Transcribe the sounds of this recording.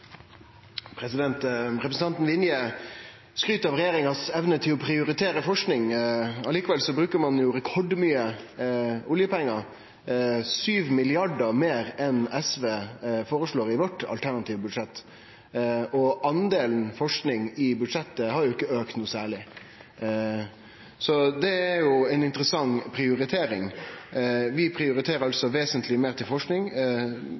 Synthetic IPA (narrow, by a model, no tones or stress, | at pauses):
pʰɾɛsɪd̪ɛnt̪ɾɛpɾsn̩t̪ɑnt̪n̩ʋɪnjə | skɾyːt̪ɑʋɾɛjeːɾɪŋɑsɛʋnət̪ʰɪlɔpʰɾɪʊɾɪt̪ʰeːɾəfɔʂknɪŋɑliːkəʋɛlsɔbɾʉːkəmɑnjʊɾɛkʰɔɖmyːə | ʊljəpɛŋːɑ | syːʋmɪlɪɑɖəmeːɾɛnɛsʋeːfoːɾəʂɭoːɾɪʋɔʈːɑ̰lt̪ʰæɾnɑt̪ʰiːʋbʉd̪ʂɛt̪ː | ɔʔɑnd̪eːln̩fɔʂknɪŋɪbʉd̪ʂɛt̪ːəhɑɾjʊɪkːəøːkt̪nuːsæːɭɪ | sɔd̪ɛæjʊɛnɪnt̪əɾəsɑŋpʰɾɪʊɾɪt̪ʰeːɾɪŋ | ʋɪpʰɾɪʊɾɪt̪ʰeːɾəɾɑlsɔʋeːsənt̪lɪmeːɾt̪ʰɪlfɔʂknɪŋ